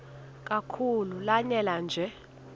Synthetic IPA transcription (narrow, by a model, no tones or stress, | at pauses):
kʼakʰululaɲɛland͡ʒʱɛ